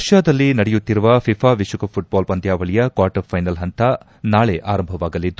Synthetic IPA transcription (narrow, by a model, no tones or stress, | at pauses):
ɐʂjaːd̪ɐlːinɐɽɛjut̪ːiɾuʋɐpʰipʰaːʋiʃukɐpʰuʈ̚baːlbɐnd̪ʱjaːʋɐɭijɐkaːɾʈɐpʰɐjnɐlɦɐnt̪ʰɐ | naːɭeʔaːɾɐmbʱɐʋaːɡɐlid̪ːu